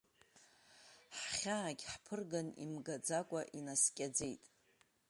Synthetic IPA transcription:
ħχʲaːɡʲħpʰɨrɡanḭmɡad͡zakʷʼaʔinaskʲʼad͡ze̞jtʼ

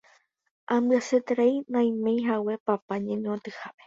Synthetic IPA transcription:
ʔãmbɨaset̪ɾajnãj̃mẽjɦawe̞papaɲẽɲõt̪ɨhape

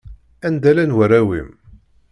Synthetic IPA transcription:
ænd̪ælænwəɾæwḭm

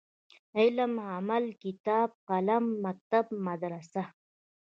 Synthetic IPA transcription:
iləmamalkɪt̪ɑːb̚qalamːak̚t̪abmad̪ɾasa

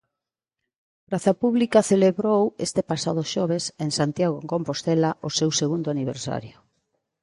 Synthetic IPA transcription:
pɾaθapuβlikaθeleβɾowest̪epasað̞oʃɔβ̞eseŋsant̪jaɣoeŋkompost̪elaʔʊsewseɣund̪oaniβ̞ḛɾsa̰ɾjo

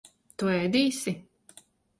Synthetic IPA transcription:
t̪uɛjd̪iːsi

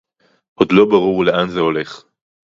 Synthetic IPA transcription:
ʔod̪lo̞baʁuʁleʔanzeo̞le̞χ

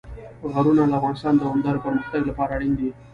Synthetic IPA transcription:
ɣaɾunalafɣɑːnɪst̪ɑːnd̪əand̪ɑɾopəɾməxt̪aɡlapɑːɾaɽind̪i

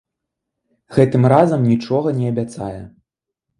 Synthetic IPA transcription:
ɣɛt̪ɨmɾazɐmnʲit͡ʂɔɣɐnʲɛɐbʲat̪sajɛ

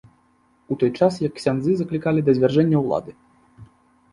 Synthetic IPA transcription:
ut̪ɔjt͡ʂasjɐksʲanzɨzɐklʲikalʲid̪ɐzʲvʲarʐɛnʲːɐwlˠa̰d̪ɨ

